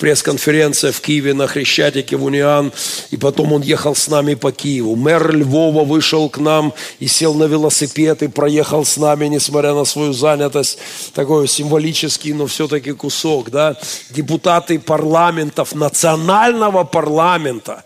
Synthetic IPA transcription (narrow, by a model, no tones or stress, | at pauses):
pɾʲe̞skənfʲɪɾʲent̪sɨjəfkʲijɪvʲɪnəxɾʲɪɕːætʲɪkʲɪvʊnʲɪanɪpɐt̪o̞mo̞njexəlˠsnamʲɪpɐkʲijɪvʊmɛrlʲvo̞vəvɨʂəlˠknamɪsʲe̞lˠnəvʲɪlˠəsʲɪpʲet̪ɨpɾɐje̞xəlˠsnamʲɪnʲɪsmɐt̪ʲɾʲanəsvɐjuzanʲɪt̪əsʲt̚ʲt̪ɐkojʊsʲɪmvɐlʲit͡ɕɪskʲɪjnofsʲɵt̪̬əkʲɪkʊsokd̪adʲɪpʊt̪at̪ɨpɐrlˠamʲɪnt̪əfnət̪sɨɐnalʲnəvəpɐrlˠamʲɪnt̪ə